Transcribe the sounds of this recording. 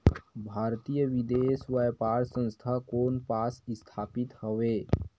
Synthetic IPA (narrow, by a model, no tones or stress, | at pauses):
bʱaːɾt̪ijəʋɪd̪eːsʋəjpaːɾsə̃nst̪ʰakoːnpaːsɪst̪ʰaːpɪt̪həʋeː